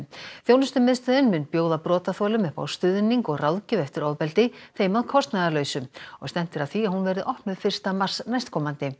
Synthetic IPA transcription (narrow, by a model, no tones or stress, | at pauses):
θjownʏst̪ʏmɪðst̪œðʏnmʏnpjoːwðapɾɔːt̪aθɔːlʏmʏhpa̰wst̪ʏðniŋkɔɣrawðcʏɛft̪ɪɾaːwðpɛlt̪ɪθejmaðkʰɔst̪naðalœːɥsʏmɔɣst̪ɛn̥t̪ɪɾaðθiahunvɛɾðɪʔɔhpnʏðfɪr̥st̪amar̥snajst̪kʰɔːmant̪ɪ